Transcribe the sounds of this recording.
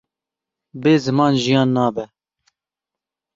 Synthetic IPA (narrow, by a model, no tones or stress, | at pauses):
beːzɨmɑːnʒijɑːnːɑːbɛ